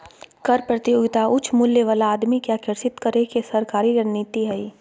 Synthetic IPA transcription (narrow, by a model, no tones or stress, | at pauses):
kɐɾpɾɐt̪ijoːɡt̪aʊt͡ʃʰmʊljeʋaːlaːd̪mikaːkɪɾsɪt̪kɐɾekesɐɾkaːɾiɾɐniːt̪iɦɛiː